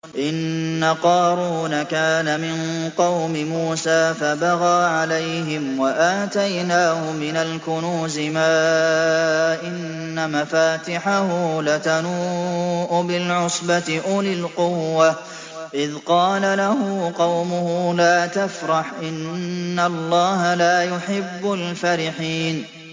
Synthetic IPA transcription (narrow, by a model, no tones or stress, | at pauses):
ʔɪnːaqɑːɾuːnakaːnamɪnqɑwmɪmuːsaːfabaɣaːʕalajɦɪmwaʔaːt̪ajnaːhʊmɪnalkʊnuːzɪmaː | ʔɪnː | amafaːt̪ɪħahulat̪anuːʔʊbɪlʕʊsbat̪ɪʔʊlɪlqʊwːa | ʔɪðqɑːlalaɦʊqɑwmʊhuːlaːt̪afɾˤɑħʔɪnːalˤːɑːɦalaːjʊħɪbːʊlfaɾɪħiːn